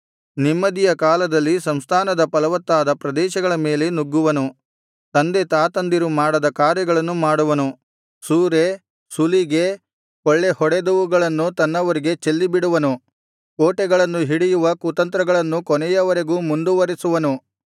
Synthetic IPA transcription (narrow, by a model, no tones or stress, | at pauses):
nimːɐd̪ijɐkaːlɐd̪ɐlːisɐmst̪ʰaːnɐd̪ɐpɐlɐʋɐt̪ːaːd̪ɐpɾɐd̪ɛːʃɐɡɐɭɐme̞ːlenuɡːuʋɐnu | t̪ɐnd̪e̞t̪aːt̪ɐnd̪iɾumaːɽɐd̪ɐkaːɾjɐɡɐɭɐnːumaːɽuʋɐnu | suːɾe̞ | suliɡe̞ | kɔɭːe̞hɔɽed̪uʋuɡɐɭɐnːut̪ɐnːɐʋɐɾiɡe̞t͡ʃelːibiɽuʋɐnu | koːʈɛɡɐɭɐnːuɦiɽijuʋɐkut̪ɐnt̪ɾɐɡɐɭɐnːukɔnɛjɐʋɐɾe̞ɡuːmund̪uʋɐɾisuʋɐnu